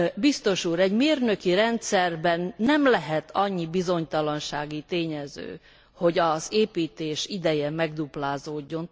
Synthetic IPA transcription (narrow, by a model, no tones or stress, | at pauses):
bist̪o̞ʃuːɾɛɟmeːrnø̞kiɾɛnt̪sɛrbɛnːɛmlɛɦɛt̪ʰɒɲːibizo̞ɲt̪ɒlɒnʃaːɡit̪eːɲɛzø̰ː | ho̞ɟɒzeːpiːt̪eːʃid̪ɛjɛmɛɡd̪uplaːzoːɟːo̞n